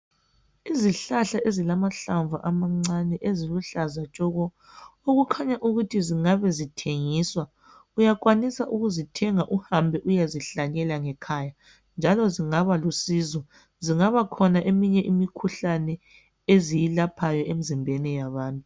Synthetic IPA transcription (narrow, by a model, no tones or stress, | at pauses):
iziɬaɬaʔezilamaɬaɱva̰ʔamaŋ͡ǀanɛʔeziluɬazat͡ʃʼɔɣɔ | oɣukʰaɲaʔuɣutʰiziŋaβɛzitʰeŋiːswa | ujakwanisaʔuɣuzitʰɛŋaʔuhambʱɛʔujaziɬaɲɛlaŋɛkʰaja | nd͡ʒʱalɔziŋaβalusizɔ | ziŋaβakʰɔnaʔemiɲɛʔimikʰuɬanɛ | ezijilapʰajɔʔem̩zimbʱɛnɛjaβaːntʼu